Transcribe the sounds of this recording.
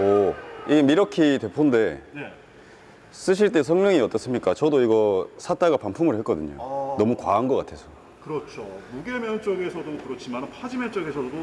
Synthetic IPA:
ʌiɡe̞miɾʌkʰitwe̞pʰonde̞ne | s͈ɯɕʰiɭt͈e̞s̬ʰʌŋmjʌŋiʌt͈ʌs͈ɯmɲik͈at͡ɕʌdoiɡʌsʰat͈aɡapampʰumɯɭhek͈ʌdɯɲo̰nʌmukwaanɡʌk͈a̰tʰe̞sʰʌ | kɯɾʌt͡ɕʰomuɡe̞mjʌnt͡ɕ͈oɡe̞sʰʌdokɯɾʌt͡ɕʰimannpʰad͡ʑimet͡ɕ͈oɡe̞sʰʌdo

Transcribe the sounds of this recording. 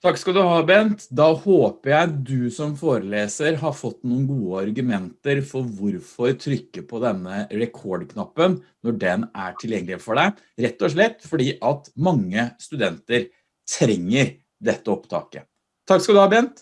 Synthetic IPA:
t̪ʰɑkːskɑld̪ʉhɑːbɛnt̪d̪ɑhoːpəɾjæɪd̪ʉsɔmfoːɾəleːsəɾɦɑɾfɔt̪ːnuːnɡuːəɑɾɡʉmɛnt̪əɾfɔɾʋʊɾfɔɾt̪ʰɾʏkːəpʰɔd̪ɛnːəɾɛkʰɔɖkʰnɑpːənnɔɖɛnæʈʰɪljɛŋːlɪfɔɖæɪ | ɾɛt̪ːɔʂɭɛt̪ːfɔɖiːʔɑt̪mɑŋːəst̪ʉd̪ɛnt̪əɾ | t̪ʰɾɛŋːəɾ | d̪ɛt̪ːəɔpt̪ʰɑ̰ːkə̰ | t̪ʰɑkskɑd̪ʉhɑbɛnt̪

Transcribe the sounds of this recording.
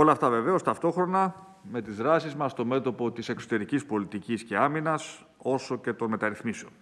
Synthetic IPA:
o̞lɐːft̪ɐve̞ve̞o̞st̪ɐft̪o̞xɾo̞nɐ | me̞t̪izðɾɐsizmɐst̪o̞me̞t̪o̞po̞t̪ise̞kso̞t̪e̞ɾicispo̞lit̪icisce̞ɐminɐs | o̞so̞ce̞t̪o̞nme̞t̪ɐɾiθmiseon

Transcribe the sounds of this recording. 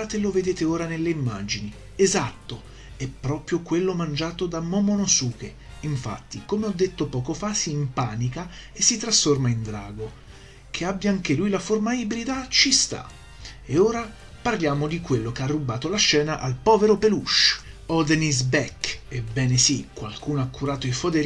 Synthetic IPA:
at̪eloved̪eːt̪eoːɾanelːeimːaːd͡ʒini | ezat̪ːo | ɛpːɾɔːpɾjokwelːomand͡ʒaːt̪od̪amɔmonosuːke | iɱfa̰t̪ːikomeɔd̪ːet̪ːopɔːkofasiːmpaːnika | esːit̪ːɾasformaind̪ɾa̰ːɡo | k̟ʰeabːjaaŋkelujlaformaibɾid̪at͡ʃist̪a̰ | eoːɾa | parljaːmod̪ikwelːokearːubaːt̪olaʃːɛːnaʔalpɔːveɾopeluʃɔd̪nis̬bɛkebɛːnesikwa̰lkuːnoakːuɾaːt̪oifod̪eɾ

